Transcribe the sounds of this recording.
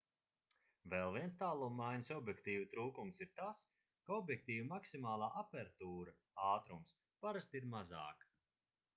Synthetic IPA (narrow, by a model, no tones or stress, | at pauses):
vɛlˠviɛnst̪aːlˠuːmːajɲsɔbʲjɛkt̪iːvut̪ɾuːkumsiɾt̪as | kaɔbʲjɛk̚t̪iːvimaksimaːlˠaːʔapɛɾt̪uːɾa | aːt̪ɾums | paɾast̪iɾmaza̰ːk